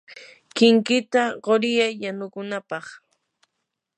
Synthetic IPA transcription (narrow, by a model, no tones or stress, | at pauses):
kɪŋkɪt̪aɢoɾɪjajːanʊkʊnapɑχ